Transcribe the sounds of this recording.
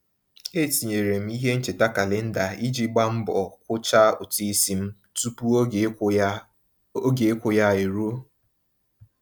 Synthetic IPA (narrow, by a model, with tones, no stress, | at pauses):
e˦˨ti˨ɲe˨ɾe˨m̩˦i˦ɦe˦n̩˦t͡ʃe˨ta˦ka˨lɪ˨n̩˦da˨i˦d͡ʒi˦ɡ͡ba˦m̩˦bɔ˨kʷʊ˦t͡ʃa˦ʊ˨ti˦si˦m̩˦ | tu˦pu˦ | o˦ɡe˨˦kʷʊ˨ja˦˨e˨ɾo˦